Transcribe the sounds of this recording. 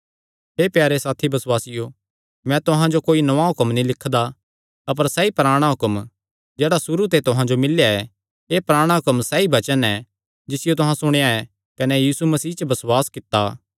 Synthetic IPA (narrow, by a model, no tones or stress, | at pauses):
ɦeːpjaːɾesaːt̪ʰibɐswaːsɪjo | mɛ̃t̪ʊɦãd͡ʒokoːinɐʋaɦʊkəmnĩlɪkʰːd̪a | ɐp̬əɾsɛipɾaːɽ̃aɦʊkəm | d͡ʒeːɽasʊɾut̪̬et̪ʊɦãd͡ʒomɪljaɛ | eːpɾaːɽ̃aɦʊkəmsɛibɐt͡ʃənɛ | d͡ʒɪsɪjot̪̬ʊɦãsʊɽ̃ejaɛ | kɐnɛjiːsumɐsiːt͡ʃəbɐswaːskɪt̪ːa